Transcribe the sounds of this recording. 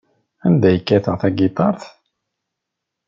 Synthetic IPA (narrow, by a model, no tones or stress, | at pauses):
ænd̪æjəkːæθəʁθæɡɪt̪ˤɑɾˤθ